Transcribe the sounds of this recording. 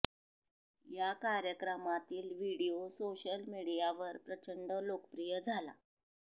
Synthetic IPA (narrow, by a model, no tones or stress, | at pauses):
jakaɾjəkɾəmat̪iːlʋiɽijosoɕəlmiɽijaʋəɾpɾət͡ɕəɳɖəlokəpɾijəd͡zʱala̰